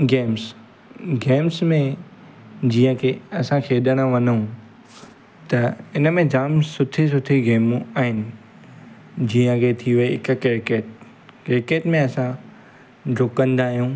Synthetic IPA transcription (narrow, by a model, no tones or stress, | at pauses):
ɡeːms | ɡeːmsmẽ | d͡ʑiːə̃kʰeːɐsãkʰeːɗəɽ̃ãʋɐnũ | t̪ɐɪnəmẽd͡ʑaːmsʊt̪ʰis̬ʊt̪ʰiɡeːmũaːɦɪnɪ̆ | d͡ʑiːə̃kʰet̪ʰiʋɐeɪkkeɾɪkeːʈ | kɪɾkeːʈmẽɐsã | ɖʊkə̃nd̪aːɦijũː